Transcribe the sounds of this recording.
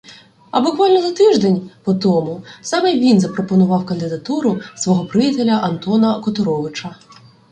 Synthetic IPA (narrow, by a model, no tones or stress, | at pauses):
ɐbʊkʋɑlʲnɔzɐt̪ɪʒd̪enʲpɔt̪ɔmʊsɑmɛʋʲinzɐpɾɔpɔnʊʋɑwkɐnd̪ɪd̪ɐt̪uɾʊsʋɔɦɔpɾɪjit̪elʲɐʔɐnt̪ɔnɐkɔt̪ʊɾɔʋɪt͡ʃɐ